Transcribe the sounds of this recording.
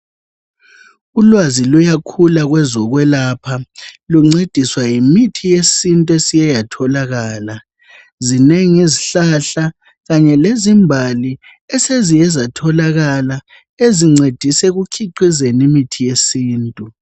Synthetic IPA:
ulwazilujakʰulaɣwɛzɔɣwɛlapʰaluŋ͡ǀed̥ʱiswajimitʰijesintʼuesijajatʰɔlaɣaːla | zineŋiziɬaɬa | ɣaɲɛlezimbʱali | ɛsezijɛzatʰɔlaɣala | eziŋ͡ǀed̥ʱisɛɣukʰiǀizenimitʰijesiːntʼu

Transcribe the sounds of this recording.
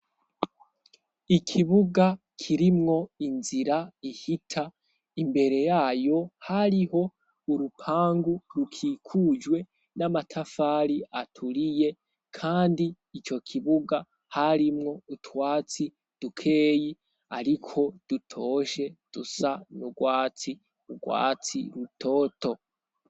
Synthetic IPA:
ikʰiβuɡa | kʰiɾimŋo̞inziɾaihitʰa | imbe̞ɾe̞jaːjo̞haɾiho̞ | uɾupʰaːŋɡuɾukʰiːkʰud͡ʒwe̞ | namatʰafaːɾiatʰuɾije̞ | kʰaːndiː | t͡ʃo̞kʰiβuɡa | haɾimŋo̞utwaːt͡si | d̥ukʰe̞ːji | a̰ɾikʰo̞d̥utʰo̞ːʃe̞d̥usanuɡwaːt͡si | uɡwa̰ːt͡siɾutʰo̞ːto̞

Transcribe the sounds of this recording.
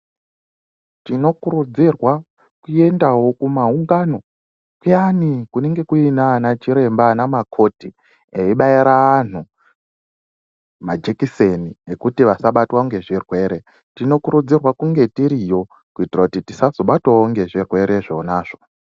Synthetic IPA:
tino̞kuɾud͡zirwa | kuje̞ndawo̞kumauŋɡano̞ | kujanikune̞ŋɡe̞kuinanat͡ʃiɾe̞mbanamakʰo̞ti | eiɓaiɾaːn̤u | mad͡ʒekiseniekutiʋasaɓatwaoŋɡe̞ʐirwe̞ɾe̞ | tino̞kuɾud͡zirwakuŋɡe̞tiɾijo̞ | kuitirakutitisazo̞ɓatwawoŋɡe̞ʐirwe̞ɾeʐo̞naːʐ̥o̥

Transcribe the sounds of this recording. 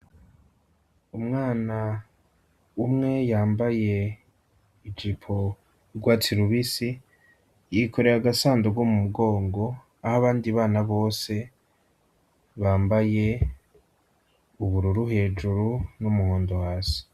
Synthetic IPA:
umŋaːna | umŋe̞jaːmbaje̞ | id͡ʒipʰo̞ | ɾɡwatʰiɾuβisi | jikʰo̞ɾe̞ɾaɡasaːndoɡwomumuɡo̞ːŋɡo̞ | ahaβaːndiβaːnaβo̞ːse̞ | βaːmbaje̞ | uβuɾuɾuɦe̞ːd͡ʒuɾunumuhoːndohaːsi̥

